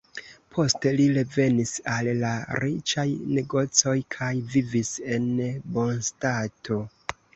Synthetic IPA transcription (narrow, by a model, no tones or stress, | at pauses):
pʰo̞ste̞liɾe̞ve̞nisalːaɾit͡ʃajne̞ɡo̞t͡so̞jkʰajvivise̞nbo̞nstatʰo̞